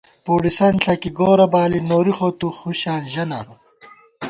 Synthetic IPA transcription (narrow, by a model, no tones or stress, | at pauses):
puːɽisɐnɬʰɐkiɡoːɾɐbaːlinoːɾixot̪uxuɕaːnʑɐna̰ːɾu